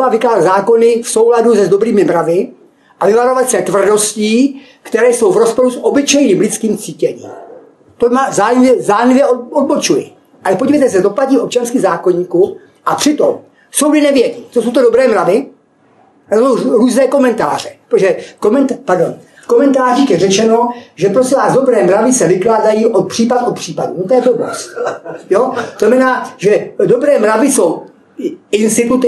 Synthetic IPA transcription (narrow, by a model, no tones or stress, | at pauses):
vavɪkaːzazaːko̞nɪfso̞wladuzɛzdobɾiːmɪmɾavɪ | ʔavɪvaɾo̞vat̪sɛt̪vr̩do̞sciː | kt̪ɛɾɛːso̞wvɾospo̞ɾusʔobɪt͡ʃɛjniːmlɪt͡skiːmt͡siːcɛɲḭːm | t̪omazaːjvjɛzaːnɪvjɛod̪̚bot͡ʃujɪ̰ | ʔalɛpoɟivejt̪ɛs̬ɛd̪o̞placɲiːʔop̚t͡ʃanskiːxzaːkoɲiːku | ʔapr̝̥ɪt̪om | sowdɪnɛvjɛɟiːt͡s̪osowt̪odobɾɛːmɾavɪ | osowɾuːznɛːko̞mɛnt̪a̰ːr̝ɛpoʒɛkomɛnt̪paɾdo̞n | komɛnt̪aːriːxjɛrɛt͡ʃɛnoʒɛpɾosɛvaːzdo̞bɾɛːmɾavɪsɛvɪklaːdajiːʔot̪̚pr̥iːpat̪ʔot̪pr̥iːpadṵnot̪ojɛt̪obo̰st̪joznamɛnaːʒɛdobɾɛːmɾavɪsow | ɪnst̪ɪt̪ut̪ɪ